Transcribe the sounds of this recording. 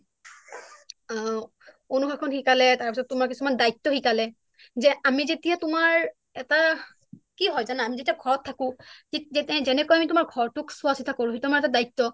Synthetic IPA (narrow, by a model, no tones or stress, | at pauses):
a | onuxaɹkʰɔnxikalɛtaɹpisɔtːʊmaɹkisumandajtːɔxikalɛ | zɛamizetijatʊmaɹ | ɛta | kiɦɔjzanaamizetiaɡʱɔɹɔtʰːakʊ̃iɛtɛ̃zɛnɛkojamitʊmaɹɡʱɔɹtʊksʊasitʰakoɹũɦitmaɹɛtadajtːɔ